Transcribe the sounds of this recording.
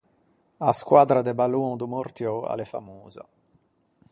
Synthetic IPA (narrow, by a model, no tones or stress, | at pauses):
askwaːd̪ɾad̪ebaluŋd̪umoɾt̪jɔa̰lefa̰muːza̰